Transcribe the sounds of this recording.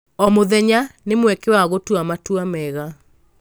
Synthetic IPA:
ɔmoðɛɲanemwɛkewaɣotwamatwamɛɣa

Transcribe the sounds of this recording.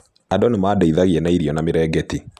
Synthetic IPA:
adɔnemaːdɛiðaɣiɛnaiɾiɔnamɪɾɛːɡɛti

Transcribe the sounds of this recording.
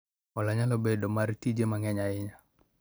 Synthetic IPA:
ɔlaɲalɔbɛdɔmaɾit̪id͡ʒemaŋɛɲaɪɲa

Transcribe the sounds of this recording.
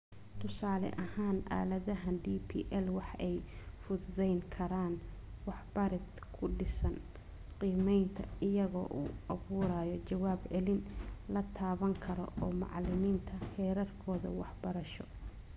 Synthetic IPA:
t̪ʰʊsaːlɛ̰ʔɐhaːnʔa̰ːlɐðɐɦɐnɖiːpʰḭːʔɛlwɑħɛjfʊððɛjŋkʰɐɾaːn | wɑħbɐɾɪt̪ | kʰʊɖɪsɐn | qiːmɛjnt̪ʰɐɪjɐɣɔ̰ːʔuːɐβuːɾaːjɔt͡ʃɐwaːbʕɛlɪnlɐt̪ʰaːβɐŋkʰɐɾɔ̰ʔɔːmɑ̰ʕlɪmiːnt̪ʰɐhɛːɾɐrkʰɔːðɐ̰wɑħbɐɾɐʃɔ

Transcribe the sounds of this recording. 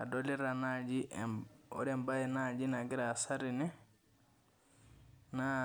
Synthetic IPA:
a̰dɔlɛɾanad͡ʒiʔɔ̰ɾɛmbajɛnad͡ʒinaɡiɾasaɾinɛ | na

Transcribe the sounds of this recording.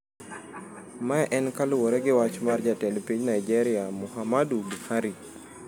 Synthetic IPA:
maɛʔɛnkaluwɔɾeɡɪwat͡ʃmard͡ʒatɛlpiɲnaid͡ʒeɾiamuhamadubuhaɾi

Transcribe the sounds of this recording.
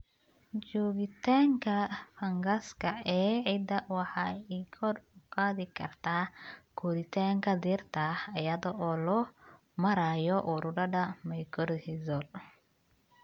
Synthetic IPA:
t͡ʃɔːɣɪt̪ʰaːŋkʰɐfɐŋɡɐskʰɐɛːʕid̪ɐwɑħɑːikʰɔrʊqɑːðɪkʰɐ̰rt̪ʰaːkʰɔðɪt̪ʰaːŋkʰɐd̪irt̪ʰɐhɐjɐðɔʔɔːlɔ | mɐɾaːjɔʔuɾʊɖɐɖɐmɐjkʰɔrhɪzɔl

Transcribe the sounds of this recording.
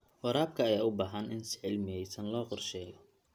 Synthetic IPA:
wɔɾaːb̚kʰɐːjaːʊbaːɦɐnʔɪnsɪ̥ʕɪlmɪɛjsɐnlɔːqɔrʃɛːjɔ

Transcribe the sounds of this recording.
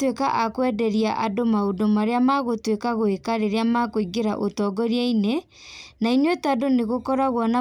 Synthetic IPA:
twekaʔakwɛdɛɾiaʔadomaodomaɾeamaɣotwekaɣoekaɾeɾeamakoiɡeɾaʔotɔɡɔɾiaine | nainwɛtadoneɣokɔɾaɣwɔna

